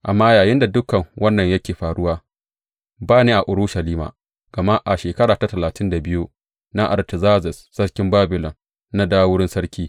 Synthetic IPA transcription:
ʔa˨mːaː˦jaː˨jɪ˦nda˨dʊ˦kɐ˨ŋwʔɐ˦nːɐ˨ɲjɐ˦kʲeː˨ɸaː˨ɽʊ˦waː˦ | baː˦neː˦ʔa˨ʔʊ˨ɽʊ˦ʃɐ˨liː˦ma̰ː˨ | ɡ̥ɐ˨ma˦ʔa˨ʃeː˨kɐ˦ɽaː˨ta˦tɐ˨laː˨tʰɪ˦nda˨bɪ˦ju˦ | na˦ʔa̰˨ltɪ˨zaː˦zɪ˨sːɐ˦ɽkʲɪ˦mbaː˦bɪ˨lɔ˨n | na˦daː˦wʊ˦ɽɪ˦nsɐ˦ɽkʲiː˦

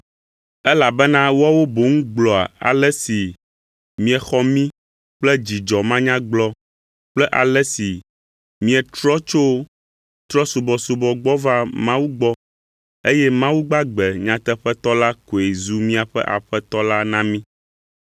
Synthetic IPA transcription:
ɛ˦la˨bɛ˦nã˦wa˦wo˦bo˨ŋũ˦ɡ͡blɔ˨a̰˨a̰˨lɛ˦si˨ | mĩ˦ɛ˨xɔ˦mĩ˦ | k͡plɛ˦d͡ʑi˨d͡ʒɔ˨mã˦ɲã˦ɡ͡blɔ˦ | k͡plɛ˦ʔa̰˨lɛ˦si˨ | mĩ˦ɛ˨t̪ɾɔ˦t͡ʃo˦ | t̪ɾɔ˦su˨bɔ˨su˨bɔ˨ɡ͡bɔ˦va˦mã˦wu˦ɡ͡bɔ˦ | e˦jɛ˦mã˦wu˦ɡ͡ba˦ɡ͡bɛ˨ɲã˨t̪ɛ˦ɸɛ˦t̪ɔ˦la˦ko˨e˨zu˦mĩ˦a˨ɸɛ̰˦ʔa̰˨ɸɛ˦t̪ɔ˦la˦nã˦mĩ˦

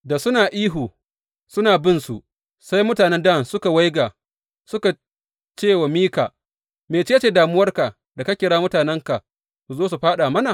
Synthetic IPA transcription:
da˨sʊ˦naː˨ʔiː˦ɦuː˨ | sʊ˦naː˨bɪ˦nsu˨ | sa˦jmʊ˦taː˨nɛ˦nda˦˨nsʊ˦ka˨wa˦jɡaː˨ | sʊ˦ka˨ | t͡ʃeː˦˨wa˨miː˦ka̰˨ | meː˨t͡ʃe˦t͡ʃeː˦daː˨mʊ˦wɐ˦rka˨ | da˨ka˦kʲɪ˨ɽaː˦mʊ˦taː˨nɛ˦ŋka˨ | su˨zoː˦s̬u˨ɸaː˦ɗa˨mɐ˦na˨

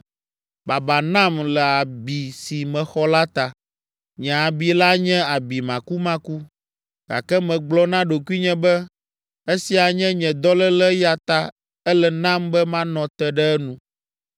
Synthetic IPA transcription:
ba˨ba˨nã˦˨mlɛ˨a˨bi˨si˨mɛ̃˨xɔ˦la˦t̪a˨ | ɲɛ̃˨a˨bi˨la˦ɲɛ̃˦a˨bi˨mã˨ku˦mã˦ku˦ | ɡ̥a̰˨kɛ˦mɛ̃˨ɡ͡blɔ˦nã˦ɖo˨ku˦i˦ɲɛ̃˦bɛ˦ | e˦si˨a˨ɲɛ̃˦ɲɛ̃˨d̪ɔ˦lɛ˦lɛ˦ja˨t̪a˨ | ɛ˦lɛ˨nã˦mbɛ˦mã˦nɔ̃˨t̪ɛ˦ɖɛ˦ɛ˦nũ˨

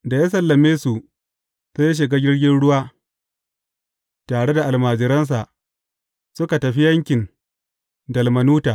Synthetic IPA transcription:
da˨jaː˦sɐ˨lːɐ˨meː˦su˨ | sa˦jaː˦ʃ̬ɪ˨ɡaː˦ɡʲɪ˦ɽɡʲɪ˦nɽʊ˦waː˦ | taː˨ɽe˦da˨ʔa˨lmaː˨d͡ʒɪ˨ɾɐ˦ns̬a˨ʔ | sʊ˦ka˨tɐ˨ɸi˦jɐ˦ŋkʲɪ˨n | dɐ˨lmɐ˨nuː˦taː˨

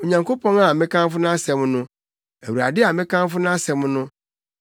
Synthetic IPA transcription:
o˨ɲã˨ŋko˦pʰɔ̃˦na˨mɪ̃˦kʰã˦m˦fʊ˦nã˦a˦sɛ˨m̃˦nʊ̃˦ | æ˨wu˨ɾa̰˨dɪ˦a˨mɪ̃˦kʰã˦m˦fʊ˦nã˦sɛ˨mʊ̃˦nʊ̃˦

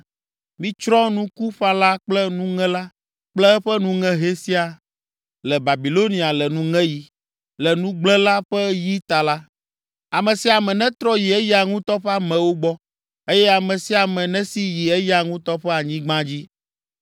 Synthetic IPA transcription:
mĩ˦t͡ʃɾɔ̃˦nũ˦ku˦ɸa˦la˦k͡plɛ˦nũ˦ŋɛ̃˦la˦ | k͡plɛ˦ɛ˦ɸɛ˦nũ˦ŋɛ̃˦ɦe˦si˦a˨ | lɛ˨ba˨bi˨lo˦nĩ˨a˨lɛ˨nũ˦ŋɛ̃˦ji˨ | lɛ˨nũ˦ɡ͡blɛ̃˦la˦ɸɛ˦ji˦t̪a˨la˦ | a˨mɛ̃˨si˦a˨mɛ̃˨nɛ̃˦t̪ɾɔ˦ji˨ɛ˦ja˨ŋũ˦t̪ɔ˦ɸɛ˦a˨mɛ̃˨wo˦ɡ͡bɔ˦ | e˦jɛ˦a˨mɛ̃˨si˦a˨mɛ̃˨nɛ̃˦si˦ji˨ɛ˦ja˨ŋũ˦t̪ɔ˦ɸɛ˦a˨ɲĩ˦ɡ͡bã˦d͡ʑi˦

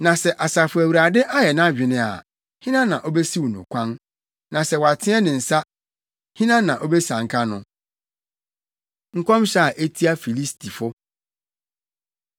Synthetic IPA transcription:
nã˨sɛ˨ʔa˨sa˨fʊ˨æ˨wu˨ɾa˨dɪ˦ʔa˦jɛ˨nã˦˨ɥᶣɪ˨nɪ̃˦a̰˨ | hĩ˦nã˦nã˨ʔo˦bɛ˦si˦wu˨nʊ̰̃˨kʷʰã˦n | nã˨sɛ˨wɔ˨a˨tʰɪ̃˦ɛ˦nɪ̃˨n̩˨sa˦ | hĩ˦nã˦nã˨ʔo˦bɛ˦sã˨ŋ̩˨kʰa˦nʊ̃˨ | ŋ̩˦˨kʷʰɔ̃˦m˦ɕa˦˨ʔe˦tʰi˦a˦fi˨li˦stʰi˨fʊ˦

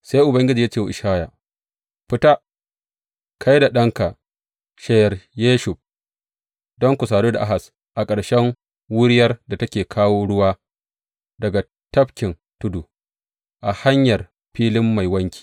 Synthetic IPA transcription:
sa˦jʔʊ˨bɐ˦ŋɡʲɪ˦d͡ʒiː˨jaː˦t͡ʃe˦˨wʔɪ˨ʃaː˦ja˨ | ɸɪ˦ta˦ | kʰa˦jda˨ɗɐ˦ŋka˨ʔ | ʃɛ˦jɐ˨rjeː˦ʃʊ˨ɸ̚ | dɔ˦ŋkʷu˨saː˨doː˦da˨ʔa˦ɦa˨s | ʔa˨kʼɐ˨ɽʃɛ˦ŋ | wʊ˦ɽɪ˦jɐ˦rda˨tɐ˦kʲeː˨kʰaː˦woː˦ɽʊ˦waː˦ | dɐ˨ɡa˨ | tɐ˦ɸkʲɪ˨n | tʊ˦du˨ | ʔa˨ha˦ɲjɐ˨r | ɸiː˦lɪ˦mːa˨jwɐ˦ŋkʲi̥ː˨

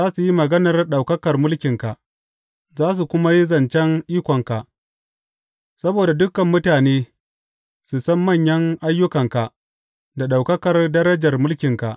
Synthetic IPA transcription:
zaː˦su˨ji˦mɐ˨ɡɐ˦nɐ˨rɗa˨wkɐ˦kɐ˨rmʊ˦lkʲɪ˨ŋka˨ʔ | zaː˦s̬u˨kʷʊ˦ma˦ji˦zɐ˨nt͡ʃɛ˦ŋʔiː˦kʷɔ˨ŋka˨ʔ | sɐ˦boː˨da˨dʊ˦kɐ˨mːʊ˦taː˨neː˦ | su˨sɐ˦mːɐ˦˨ɲjɐ˦ŋʔa˦jːʊ˦kɐ˨ŋka˨ʔ | da˨ɗa˨wkɐ˦kɐ˨rdɐ˦ɾɐ˦d͡ʒɐ˨rmʊ˦lkʲɪ˨ŋka˨ʔ

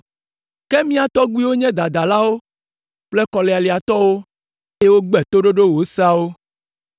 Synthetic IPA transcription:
kɛ˦mĩ˦a˨t̪ɔ˦ɡ͡bu˦i˦wo˦ɲɛ̃˦d̪a˨d̪a˨la˦wo˦ | plɛ˦kɔ˨lɛ˨a˨li˨a˨t̪ɔ˦wo˦ | ɛ˦wo˦ɡ͡bɛ˨t̪o˦ɖo˦ɖo˦wo˨˦sa˦wo˦

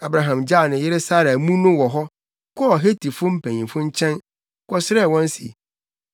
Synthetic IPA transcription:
a˨bɾa˨ɦã˨md͡ʑa˦˨nɪ̃˨jɪ˦ɾɪ˦sa˦ɾa˨mũ˦nʊ̃˦wɔ˨ɦɔ˦ | kʰɔ˦ɔ˨ɦe˦tʰi˨fʊ˦m̩˦pʰæ̃˨ɲĩ˨fʊ̃˦ɲ̩˦t͡ɕʰɛ̃˦n˦ | kʰɔ˦sɪ˦ɾɛ˦˨wɔ̃˦n˦sḭ˨

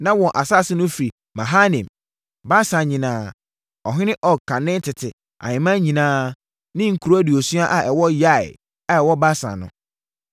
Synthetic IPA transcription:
nã˦wɔ̃˨ʔa˨sa˦˨sɪ˦nʊ̃˦fi˨ɾi˨ | mã˨ɦa˦nɛ̃˨m | ba˦sã˨ɲĩ˨nãː˦ | ɔ˨ɦɪ̃˦nɪ̃˦ʔɔ˨kʰã˨nɪ̃˦n˦tʰɪ˨tʰɪ˨ | ʔa̰˨ɲɪ̃˨mã˦ɲĩ˨nãː˦ | nɪ̃˦ŋ̩˨kʰu˨ɾo˦æ˦di˨ɔ˨su˦a˦ʔa˨ʔɛ˨wɔ˦ja˦ɪ̰˨ | a˨ɛ˨wɔ˦ba˦sã̰˨nʊ̰̃˦

